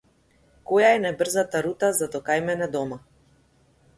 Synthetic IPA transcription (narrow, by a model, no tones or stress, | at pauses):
kɔjaɛnabr̩zat̪aɾut̪azad̪ɔkajmɛnɛd̪ɔma